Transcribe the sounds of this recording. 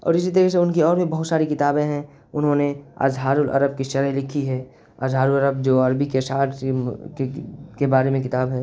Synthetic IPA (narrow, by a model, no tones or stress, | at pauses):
ɔ̰ːɾɪs̬it̪̬əɾis̬eʊnkiɔːɾbʱibɐɦʊt̪saːɾikɪt̪aːbẽɦɛ̃ | ʊnɦõnea̰ːzɦaːɾʊlʔɐ̰ɾəb̚kiʃɐɾəɦlɪkʰiɦɛː | ə̰ːzɦaːɾʊlɐɾəbd͡ʒoːɐɾbikeʃaːʈkekebaːɾemẽkɪt̪aːbɦɛː